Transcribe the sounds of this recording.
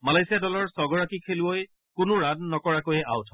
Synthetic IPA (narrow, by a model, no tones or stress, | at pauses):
malajsijadɔlɔɹsɔɡɔɹakikʰeluoj | kʊnʊɹadnɔkɔɹakojɛʔa̰wtʰɔ